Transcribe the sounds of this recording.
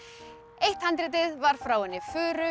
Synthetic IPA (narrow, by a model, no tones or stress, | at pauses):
ejht̪hant̪ɾɪt̪ɪðvaɾ̥fɾaːwɪnɪfʏːɾʏ